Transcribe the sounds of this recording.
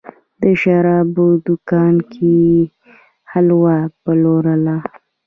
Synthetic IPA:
d̪əʃaɾɑbod̪ʊkɑnkʰe | halwapəloɾəla

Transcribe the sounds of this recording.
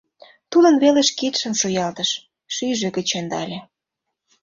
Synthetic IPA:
t̪ulə̆nβeleʃkit̪ʃə̆nʃojɑlt̪əʃ | ʃyʒĕkə̆t͡ɕend̪ɑ̰lʲĕ

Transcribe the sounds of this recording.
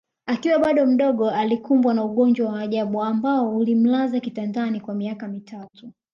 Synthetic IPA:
akiwaɓaɗɔm̩ɗɔɠɔalikumbwanauɠɔnd͡ʒwawaːʄaɓuambaɔulim̩lazakitandanikwamiakamitʰatu

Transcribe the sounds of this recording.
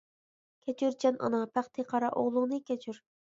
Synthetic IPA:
kʲʰɛt͡ʃʰyɾd͡ʒɑnʔɑ̰nɑpʰæχt̪ʰɨqʰɑɾɑʔoʁlˠʊŋnɨkʲʰɛt͡ʃʰyɾ

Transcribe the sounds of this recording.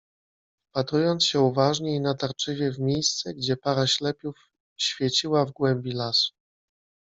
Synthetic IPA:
pat̪ɾujɔnt̪sɕɛuvaʐɲɛinat̪aɾt͡ʂɘvʲjɛvmʲejst̪sɛɡd͡ʑɛpaɾaɕlɛpʲjuf | ɕfʲjɛt͡ɕiwavɡwɛmbʲilasu̥

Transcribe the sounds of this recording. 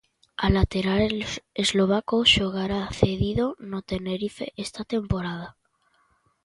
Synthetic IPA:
alat̪e̞ɾale̞zlo̞β̞akoʃoɣaɾaθe̞ðiðo̞not̪e̞ne̞ɾife̞̰ʔest̪at̪e̞mpo̞ɾað̞a

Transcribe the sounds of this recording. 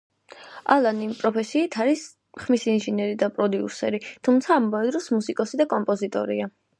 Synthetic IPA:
alˠanimpʼɾɔpʰɛsiːt̪ʰaɾis | χmisinʒinɛɾid̪apʼɾɔd̪iṵsɛɾit̪ʰumt̪sʰaːmːavɛd̪ɾɔsmusikʼɔsid̪akʼɔmpʼɔzit̪ʼɔ̰ɾḭa

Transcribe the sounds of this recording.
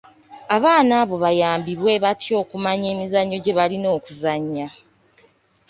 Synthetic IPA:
aβaːnaːβo̞βajaːmbiβwe̞βatʰjo̞ːkumaɲe̞ːmizaɲːo̞ɟe̞βalino̞ːkuzaɲːa

